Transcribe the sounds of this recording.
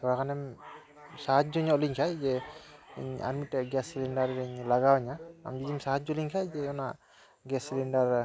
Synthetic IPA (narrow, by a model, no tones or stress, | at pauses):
t̪ʰɔɹakʰanɛm | saɦat̚d͡ʒɔɲɔɔliɲkʰajzɛ | ɲa̰ɾmitɛɡɛsilɛndaɾɛɲlaɡawaɲaa̰md͡ʒidimsaɦat̚d͡ʒɔliŋkʰajzɛɔna | ɡɛsilɛndaɹ